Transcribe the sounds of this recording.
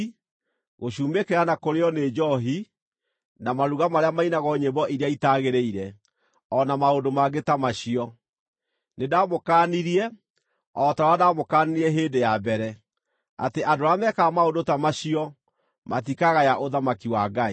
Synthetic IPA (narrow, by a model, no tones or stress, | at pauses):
ɣoɕuːmekeɾanakoɾeɔned͡ʒɔɦi | namaɾuɣamaɾeamainaɣɔɲebɔʔiɾeaitaɣeɾeiɾɛ | ɔnamaondomaɡetamaɕiɔ | nedamokaːniɾiɛ | ɔtaɾadamokaniiɛɦeːndejabɛɾɛ | a̰teʔadoɾamɛkaːmaondotamaɕiɔ | matikaɣajaʔoðamakiwaɡai